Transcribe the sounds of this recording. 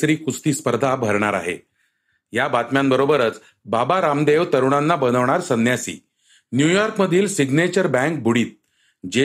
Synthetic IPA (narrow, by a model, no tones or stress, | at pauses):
sɾiːkust̪iːspəɾd̪ʱabʱəɾɳaɾa̰ɦḛ | jabat̪mjambəɾobəɾət͡s | babaɾamd̪eʋt̪əɾuɳanːabənəʋɳ̃aɾsənjasḭː | njujɔɾkməd̪ʱiːlsiɡnet͡ɕəɾbɛ̃ŋk̚bʱuɽiːt̪̚ | d͡ʑe